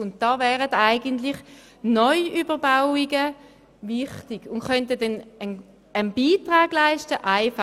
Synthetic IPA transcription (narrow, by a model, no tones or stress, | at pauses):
ʊnt̚d̥ɑːvɛːʁətaɪɡəntlɪχ | nɔʏʔybəʁbaʊiɡə | vɪχtiɡ̥ʊnχœnt̬ədɛnən | ənbiːtʁaːɡ̥laɪʃtəʔaɪfa